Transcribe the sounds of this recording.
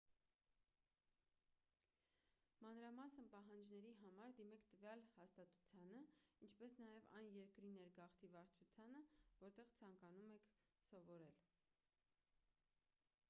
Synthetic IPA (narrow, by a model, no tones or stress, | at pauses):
mɑnɾɑmɑsənpɑɦɑnd͡ʒnɛɾiɦɑmɑɾd̪imɛkʰt̪əvjɑlhɑst̪ɑt̪u̥t͡sʰjɑnəint͡ʃʰpɛsnɑjɛvɑ̰jnjɛɾkɾinɛɾɡɑχt̪ivɑɾt͡ʃʰut͡sʰjɑnəvɔɾt̪ɛʁt͡sʰɑŋkɑnumɛkʰsɔvɔɾɛl